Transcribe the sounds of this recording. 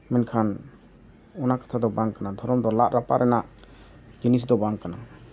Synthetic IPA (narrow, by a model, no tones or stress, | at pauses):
mɛnkʰan | ɔnakḁt̪ʰad̪ɔbaŋkanad̪ʱɔɾɔmd̪ɔlaʔɾapaɾʔɛnaʔ | ɡinis̬d̪ɔbaŋkana